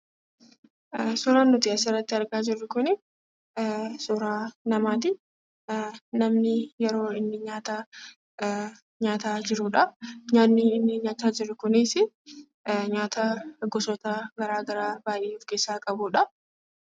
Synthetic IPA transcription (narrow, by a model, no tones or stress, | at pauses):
sʊɾaːnːʊt̪ɪɐsɪrːɐt̪ːɪɐɾɡaːd͡ʒɪrːʊkʊnɪ | sʊɾaːnɐmaːt̪̬ɪ | nɐmnɪjɛɾo̞ːɪnːɪɲaːt̪ɐ | ɲaːt̪aːd͡ʒɪɾʊᶑɐɲaːnːiɪnːɪɲaːt̪aːd͡ʒɪrːʊkʊniːsɪ | ɲaːt̪ɐɡɔsɔt̪ɐɡɐɾaːɡɐɾaːbaːʔeːʊfkeːsːaːkʼɐbʊᶑɐ